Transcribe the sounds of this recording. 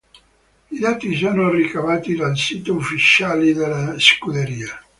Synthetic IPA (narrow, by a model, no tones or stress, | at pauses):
id̪aːt̪is̬oːnorikavaːt̪id̪alsit̪oufːit͡ʃaːlid̪elːaskud̪eɾiːa